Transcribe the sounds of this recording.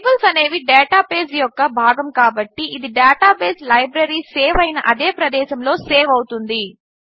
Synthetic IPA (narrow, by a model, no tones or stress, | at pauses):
bɐlsɐne̞ːʋiɖɛːʈaːpeːsjɔkːɐbʱaːɡɐmkaːbɐʈːiːd̪iɖaːʈaːpeːslɐjbɾɐɾiseːʋɐjnɐʔɐd̪eːpɾɐd̪ɛːʃɐmlo̞ːseːʋɐwut̪und̪i